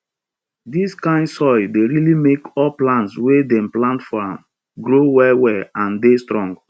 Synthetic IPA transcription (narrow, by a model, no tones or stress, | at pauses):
diskãɪ̃ndsɔɪdeɹilimekɔlplãntswedɛ̃mplãntfɔɹãm | ɡɾowɛwɛãndestɹɔ̃ŋɡ